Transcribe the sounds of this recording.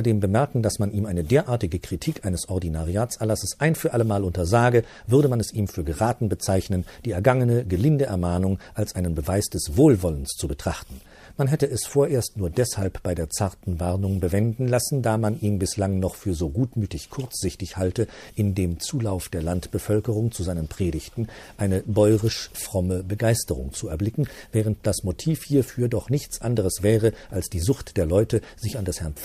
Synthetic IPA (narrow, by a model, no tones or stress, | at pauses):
ɐdeːmbəmɛɐkŋ̩dasmaniːmʔaɪnədeːɐʔaːɐtɪɡəkʁ̥itʰiːkʔaɪnəsʔɔʁdinaʁiaːt͡sɛɐlasəsʔaɪnfyːɐʔaləmaːlʊntɐzaːɡə | vʏʁɾəmanɛsʔiːmfyːɐɡəʁaːtn̩bət͡saɪçnənd̥iːɛɐɡaŋənəɡəlɪndəʔɛɐmaːnʊŋʔalsʔaɪnənbəvaɪsd̥ɛsv̥oːlvɔlənst͡subətʁ̥aχtn̩ | manɦɛtəɛsfoːɐʔeːɐstnuːɐdɛshalpb̥aɪdeːɐt͡saɐtn̩vaʁnʊŋbəvɛndn̩lasn̩daːmanʔiːnbɪslaŋnɔχfyːɐzoːɡuːtmyːtɪçkʰʊɐt͡sz̥ɪçtɪçhaltəʔɪndeːmt͡suːlaʊfd̥eːɐlantb̥əfœlkəʁ̞ʊŋt͡suzaɪnənpʁ̥eːɾɪçtn̩ʔaɪnəbɔʏʁɪʃfʁ̥ɔməbəɡaɪstəʁʊ̰ŋt͡suɛɐblɪkŋ̩vɛːʁ̞ənt̚d̥asmotʰiːfhiːɐfyːɐdɔχnɪçt͡sʔandəʁ̞əsv̥ɛːʁəʔalsd̥iːzʊxtd̥eːɐlɔʏtə | z̥ɪçandashɛɐnf